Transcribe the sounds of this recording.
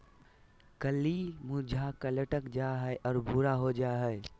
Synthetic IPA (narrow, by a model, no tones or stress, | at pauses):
kəlimud͡ʒʱakələʈəkd͡ʒaɦəeʔɔːɾbuɾaɦod͡ʒaɦəe